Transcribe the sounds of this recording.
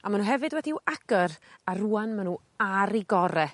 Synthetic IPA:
amanuɦɛvɨdwɛdiwʔaɡ̥əɾaruːanmanu | aɾiɡɔɾɛ

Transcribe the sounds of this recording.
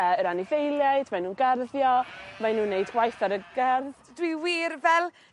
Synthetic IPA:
əəɾanɪvejlˠjajdmanuːnɡɛrðjɔmajnuːnːejdɡwajθaɾəɡɛrð | d̥wiwiːrvɛlˠ

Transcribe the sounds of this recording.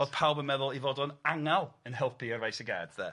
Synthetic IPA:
oːð̥pʰalˠbənmɛðʊlˠivoːdɔnaŋalˠənɦɛlˠpʰiərajsəɡɛːd̥ðɛ̰

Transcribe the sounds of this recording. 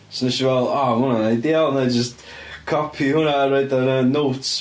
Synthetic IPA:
snəʃivɛlˠamʊnanajdialˠnajd͡ʒəst | kʰɔpʰihʊnaɾajdənənowts

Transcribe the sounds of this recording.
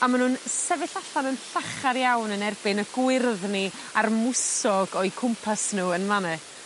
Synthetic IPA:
amanhuːnsɛvɪɬaɬanənɬaχaɾjawnənɛrbɪnəɡ̥wɪrðni | armʊsɔɡɔjkʰʊmpʰasnuːənmanɛ

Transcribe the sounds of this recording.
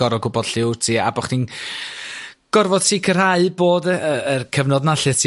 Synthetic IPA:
ɔɾɔɡʊbɔd̥ɬɪwtʰiːa̰bɔχnin | ɡ̥ɔrvɔd̥̚tʰiːkʰər̥haɨboːdəəərkʰəvnɔdnaɬɨtʰi

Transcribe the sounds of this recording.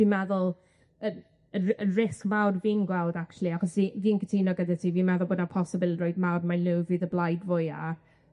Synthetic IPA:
viːmɛðʊlˠ | ən | əənrɪskmawrviːnɡwɛlˠdak̚t͡ʃʰulˠiaχɔsðiːviːnkʰətʰiːnɔɡədatʰiviːmɛðʊlˠboːdnapʰɔsəbɪlˠroɨdmawrmajlɪwviːðəblˠajdvʊja̰

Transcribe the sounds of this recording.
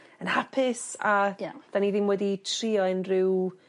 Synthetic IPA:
ənhapʰɪsad̥aniðɪnwɛditʰriːɔɪnrɪw

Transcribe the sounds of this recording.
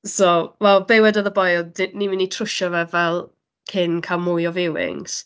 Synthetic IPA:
sowɛlˠbewɛdɔðəbɔjlˠdɪnimɪnitʰrʊʃɔvɛvɛlˠ | kʰɪnkʰalˠmʊjɔvɪwɪ̰ŋs

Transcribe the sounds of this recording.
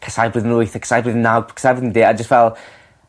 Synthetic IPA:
kʰəsajbrɨːðənlʊɨθakʰə̥sajbrɨːðənːawɡ̚pʰkʰə̥sajbrɨiðəndiːad͡ʒəstvɛlˠ

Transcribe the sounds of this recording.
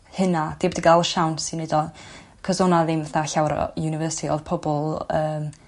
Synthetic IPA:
hənad̥ibɛdiɡalˠəʃawnsinːedɔ | kʰəzɔnaðɪmvɛθaɬawɾ̰junɪvəːsiɔ̰ðpʰɔbɔlˠəːm

